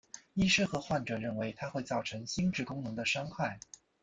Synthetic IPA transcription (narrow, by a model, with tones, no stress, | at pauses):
i˥˧ʂɻ̩˥˩xɤ˧˥xwa˥˩nʈ͡ʂɤ˨˩ɻə˥˩nwe˧˥ɪt̪ʰa˥xwe˥˧ɪt͡sɑ˥˩ʊʈ͡ʂʰɤ˧˥ŋɕi˥ŋʈ͡ʂɻ̩˥˩kʊ˥ŋnɤ˧˥ŋd̪ə˧ʂɑ˥ŋkʰwa˥˩ɪ